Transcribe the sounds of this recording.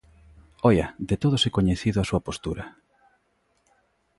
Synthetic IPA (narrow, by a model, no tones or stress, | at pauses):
ɔjɐd̪et̪oð̞ʊsekoɲeθiðʊasuɐpost̪uɾɐ